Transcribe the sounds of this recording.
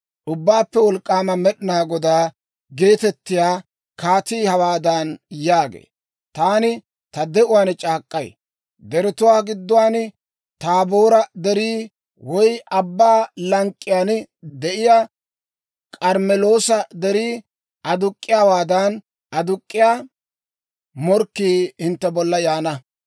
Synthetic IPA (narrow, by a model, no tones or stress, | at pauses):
ʔʊbːaːpːɛwɔlkʼːaːmɐmɛɗɪnaːɡɔd̪aː | ɡe̞ːt̪ɛt̪ːɪjaː | kaːt̪iːhɐwaːd̪ɐnjaːɡḛː | t̪aːnɪ | t̪ɐd̪ɛʔʊwaːnt͡ʃʼaːkʼːɐj | d̪ɛɾɪt̪ʊwaːɡɪd̪ːʊwaːn | t̪aːboːɾɐd̪ɛɾiː | wɔjʔɐbːaːlɐŋkʼːɪjaːn | d̪ɛʔɪja | kʼɐɾmɛlo̞ːsɐd̪ɛɾiː | ɐd̪ʊkʼːɪjaːwaːd̪ɐn | ʔɐd̪ʊkʼːɪjaː | mɔɾkːiːhɪnt̪ːɛbɔlːɐjaːnɐ